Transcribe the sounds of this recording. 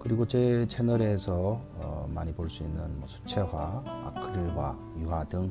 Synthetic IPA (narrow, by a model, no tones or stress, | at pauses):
kɯɾiɡot͡ɕet͡ɕʰenɯɾe̞sʰʌʌma̰ɲiboɭs͈uinːɯnmwʌsʰu̥t͡ɕʰe̞ɦaa̰kʰɯɾiɦwa̰ | juɦadɯŋ